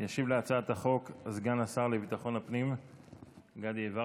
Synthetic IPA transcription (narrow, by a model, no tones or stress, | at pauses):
jaʃivleat͡saat̪aχo̞kzɡanasaʁlevit̪aχo̞napnim | ɡad̪eva